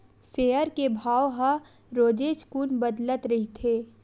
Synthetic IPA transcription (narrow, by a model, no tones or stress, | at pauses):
seːɦəɾkebʱaːwɦɐ | ɾoːd͡ʒeːʃkuːnbəd̪lət̪ɾɐɦit̪ʰeː